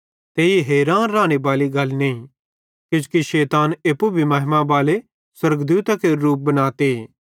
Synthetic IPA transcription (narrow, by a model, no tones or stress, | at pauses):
t̪eːiɦeːɾaːnɾaːñebaːliɡɐlnẽĩ | kɪd͡ʒkiʃeːt̪aːneːpːubʱimɐɦɪmabaːle | swɐɾɡd̪uːt̪akeɾuːp̚bɐnaːt̪e